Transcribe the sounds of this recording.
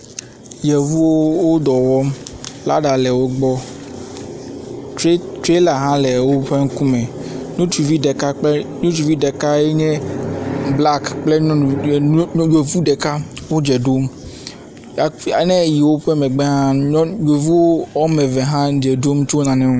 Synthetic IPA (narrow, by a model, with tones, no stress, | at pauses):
jɛ˨vu˦wo˦wo˦d̪ɔ˨wɔ˦mla̰˦ɖa˨lɛ˨wo˦ɡ͡bɔ˦ | tɾe˦tɾe˦la˨ɦã˦lɛ˨wo˦ɸe˦ŋ̩˦ku˦mɛ̃˨ɲõ˦t͡ʃu˨vi˦ɖɛ˨ka˦k͡pɛ˦ɲõ˦t͡ʃu˨vi˦ɖɛ˨ka˦e˦ɲɛ̃˦ | bla˦kk͡ple˦˨˦d͡ʒe˨vu˦ɖɛ˨ka˦wo˦d͡ʒɛ˨ɖo˦m | a˨a̰˨nɛ̃˦˨ji˨wo˦ɸɛ˦mɛ̃˨ɡ͡bɛ˦ɦã˦d͡ʒe˨vu˦wo˦wɔ˦mɛ˨vɛ˨ɦã˦d͡ʒɛ˨ɖo˦m˦t͡ʃo˦nã˨nɛ̃˦o˦